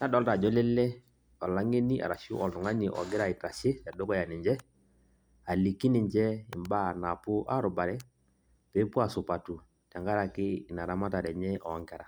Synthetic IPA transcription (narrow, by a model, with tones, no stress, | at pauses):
na˦dɔ˦lta˨d͡ʒɔ˦lɛ˦lɛ˦ | ɔ˨la˦ŋe˦ni˦ʔa̰˨ɾa˨ʃu˦ʔɔ˨ltʊ˨ŋa˦ni˨ʔɔ̰˨ɡɪ˦ɾa˨ɪ˨ta˨ʃɪ˦ɛ˨dʊ˦kɔ˦ja˨nɪ˨ɲd͡ʒɛ˦ | a˨li˨kːi˦nɪ˨ɲd͡ʒɛ˦ɪ˨mba˦˨na˨pʊ˦ʔa̰˦ɾʊ˨ba˨ɾɛ˦ | pɛ˨˦pu˦a˨sʊ˨pa˨tu˨ | tɛ˨ŋɡa˦ɾa˨kɪ˦ɪ˨na˨ɾa˦ma˦ta˨ɾɛ˨ɲɛ˦ʔɔ˨˦ŋkɛ˦ɾa˨